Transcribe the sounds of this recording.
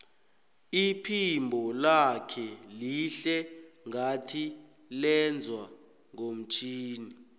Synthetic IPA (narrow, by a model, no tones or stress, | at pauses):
ipʰimbʱɔlakʰɛliɬɛŋatʰi | lɛnd͡zʱwa | ŋom̩t͡ʃʰiːni